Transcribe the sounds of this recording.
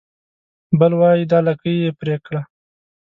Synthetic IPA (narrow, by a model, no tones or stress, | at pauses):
bəlwɑjid̪ɑlakəjepɾekɽa